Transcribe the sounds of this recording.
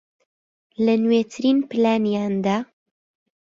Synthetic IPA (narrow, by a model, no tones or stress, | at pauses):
lənweːt̪ʰɨɾiːnpɨlaːnijaːnd̪a